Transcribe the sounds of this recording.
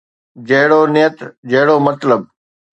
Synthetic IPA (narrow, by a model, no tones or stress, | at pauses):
d͡ʑɐɦɽoːnɪjət̪d͡ʑɐɦɽoːmɐt̪ləb̚